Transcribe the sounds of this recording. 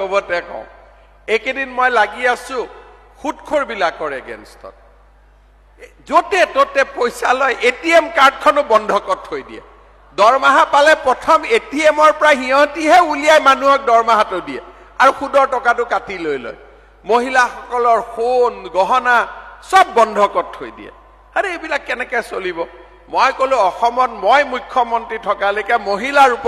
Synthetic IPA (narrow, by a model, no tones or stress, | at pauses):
obɔtɛkɔ̰̃ʊ̃ | ekedinmɔjlaɡiasʊ̃ | xutkʰoɹbilakːɔɹɛ̰ɡɛ̰nstɔ̰t̚ | zotɛtotɛpojsalɔjʔetiemkaɹd̚kʰɔnʊbɔndʱɔkɔthojdḭjɛ̰ | dɔɹmaɦapalɛpɹɔtʰɔmetiemɔɹpɔɹaɦiɔ̃tiɦɛulijajmanuɦɔk̚dɔɹmaɦatʊdiɛ̰ | aɹuxudɔɹtɔkatʊkatilojlɔ̰j | moɦilaxɔkɔlɔɹxonɡɔɦɔnasɔb̚ːɔndʱɔkɔthojdḭɛ̰ | hanɛebilakːɛnɛkɛsolibɔ | mojkolʊ̃ɔxɔmɔtmojmujkʰːjɔmɔntɹitʰɔkalojkɛmoɦilaɹup